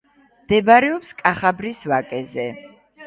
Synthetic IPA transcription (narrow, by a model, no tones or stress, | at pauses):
md̪ɛbaɾɛɔpskʼaχabɾisvakʼɛzɛ